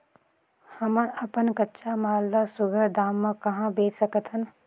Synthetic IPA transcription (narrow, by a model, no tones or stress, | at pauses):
hɐmɐpənkɐtːʃamaːlːasʊɡʱəɾd̪aːmːãkɐɦãbeːt͡ʃsəkət̪ɦən